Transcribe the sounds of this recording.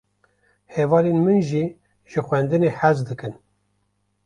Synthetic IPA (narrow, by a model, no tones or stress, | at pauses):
hevɑːlenmɨnʒi | ʒ̥ɨxʷwɛnd̪ɨneħæzd̪ɨkɨn